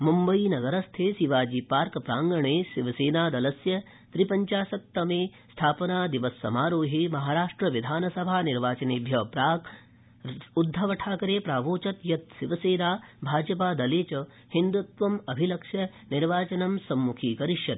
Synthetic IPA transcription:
mumbɐinɐɡɐɾɐst̪ʰeːsiʋaːd͡ʒiːpaːɾkpɾaːŋɡɐɳ̃eːsiʋɐseːnaːd̪ɐlɐsjɐ | t̪ɾipɐɲt͡ʃaːsɐk̚t̪ɐmeːst̪ʰaːpɐnaːd̪iʋɐsːɐ̰maːɾoːɦimɐɦaːɾaːʂʈɾɐʋid̪ʱaːnɐsɐbʱaːniɾʋaːt͡ʃɐniːbʱjɐpɾaːk | ud̪ʱːɐʋɐʈʰaːkɐɾeːpɾaːʋoːt͡ʃɐt̪jɐt̪ʃiʋɐseːnaːbʱaːd͡ʒɐpaːd̪ɐleːt͡ʃɐ | hind̪ut̪ʋɐmɐbʱilɐkʂjɐ | niɾʋaːt͡ʃɐnɐmsɐmːukʰiːkɐɾiʃjɐt̪

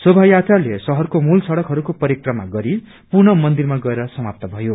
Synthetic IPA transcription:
sobʱajat̪alesʌɦʌrkomulsʌɽʌkɦʌɾukopʌɾikrʌmaɡʌɾi | purnʌmʌnd̪irmaɡʌeɾʌsʌmap̚t̪ʌbʱʌjo

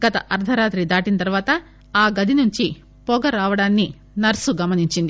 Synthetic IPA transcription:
ɡ̥ɐt̪ɐʔɐɾd̪ʱɐɾaːt̪ɾid̪aːʈinɐt̪ɐɾʋaːt̪ɐ | aːɡɐd̪ʱinuɲt͡ʃi | pɔːɡɐɾaːʋɐɽaːnːi | nɐɾsuɡɐmɐniɲt͡ʃind̪i

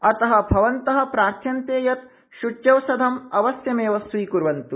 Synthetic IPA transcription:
ɐt̪ɐɦɐ̆bʱɐʋɐnt̪ɐɦɐ̆pɾaːɾt̪ʰjɐnt̪eːjɐt̪̚ | ʃut͡ʃjɐwsɐd̪ʱɐmɐʋɐsjɐmeːʋɐsʋiːkuɾʋɐnt̪u

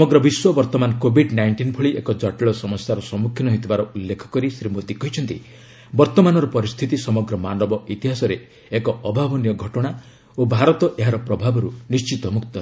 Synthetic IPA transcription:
ɔmɔɡɾɔbiswɔbɔɾt̪ɔmankobʱiɖnajɳʈinpʰuɭiʔekɔd͡ʒaʈeɭɔsɔmɔsjaɾɔsɔmukʰjinɔɦit̪ebaɾɔulːekʰɔ̥kɔɾisɾimod̪ikɔɦjt͡ʃʰɔnt̪i | bɔɾt̪ɔmanɔɾɔpɔɾist̪ʰit̪isɔmɔɡɾɔmanɔbɔit̪iɦasɔɾe | ekɔʔɔbʱabɔnijɔɡʱɔʈɔɽ̃a | obʱaɾɔt̪ɔʔeɦaɾɔpɾɔbʱabɔɾunist͡ʃit̪ɔmukt̪ɔ

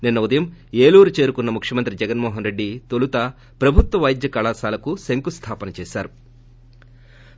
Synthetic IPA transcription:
ninːɐud̪ɐjɐmeːluːɾut͡ʃe̞ːɾukunːɐmukʂjɐmɐnt̪ɾid͡ʒɛɡɐnmɔːɦɐnɾe̞ɖːit̪olut̪ɐ | pɾɐbʱut̪ʋɐʋɐjd̪jɐkɐlaːsaːlɐkuseŋkust̪ʰaːpɐnɐt͡ʃɛːʃaːɾu

